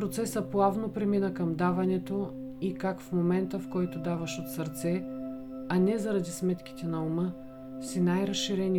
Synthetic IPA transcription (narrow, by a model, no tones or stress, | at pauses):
pɾot̪sɛsəplˠavnopɾɛminəkɐmd̪avɐnɛt̪o | ikakfmomɛnt̪əfkɔjt̪od̪avɐʃot̪sɐɾt̪sɛ | ɐnɛzɐɾɐd̪ismɛt̪k̟i̥t̪ɛnɐumə | fsinajɾɐsʃiɾɛni